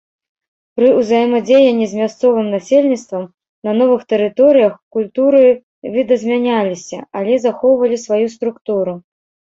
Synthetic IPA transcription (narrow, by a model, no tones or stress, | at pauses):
pɾɨuzɐjɛmɐd͡zʲejɐnʲːizʲmʲast̪sɔvɨmnasʲelʲnʲit̪st̪vɐm | nɐnɔvɨxt̪ɛɾɨt̪ɔɾɨjɐxkulʲt̪uɾɨ | vʲid̪ɐzʲmʲanʲalʲisʲɐ̰alʲɛzaxɔwvɐlʲisvajust̪ɾukt̪uɾu